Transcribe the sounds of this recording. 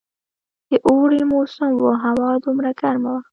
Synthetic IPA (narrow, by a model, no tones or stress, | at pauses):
d̪̥eʔoːɽimosʊmwoɦawɑːd̪ʊmɾakaɾmawa